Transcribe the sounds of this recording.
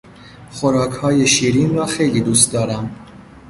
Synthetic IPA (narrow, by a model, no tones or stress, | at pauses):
xoɾɒːkʰhɒːje̞ʃiːɾiːnrɒːxe̞jliːd̪uːst̪̚d̪ɒːɾæm